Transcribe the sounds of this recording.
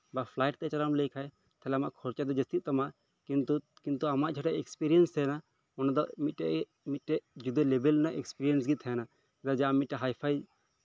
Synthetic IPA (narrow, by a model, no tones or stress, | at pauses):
bapʰlajʈ̚t̪ɛt͡ʃalamlɛkʰaj | t̪ʰɛlɛamaʔkʰɔɾt͡ʃad̪ɔd͡ʒɐst̪it̪̚t̪amaʔ | kint̪u | kint̪uamaʔd͡ʒʱaʈɛʔɛkspiɾijɛnst̪ʰɛjna | ɔnad̪ɔmit̪̚ʈɛʔɛ | mit̪̚ʈɛʔd͡ʒud̪ɔlebɛlnaʔɛkspiɾiɛnsɡit̪ʰɛjna | ɛd̪ad͡ʒaamit̪̚ːɛɦajpʰaj